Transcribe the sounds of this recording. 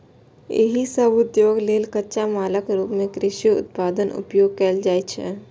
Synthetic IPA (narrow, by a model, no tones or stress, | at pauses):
ḛɦisəbʊd̪joːɡleːlkətːʃamaːləkɾuːpmẽkɾɪʃiʊ̰t̪̚paːd̪ənʔʊ̰pjoːɡ̚keːld͡ʒaːet͡ʃʰḛː